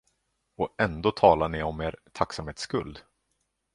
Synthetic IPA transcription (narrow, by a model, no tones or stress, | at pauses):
ɔɛnd̪oːt̪ʰɑːlaɳɪɔmeːɾt̪ʰaksamheːt̪skɵ̰ld̪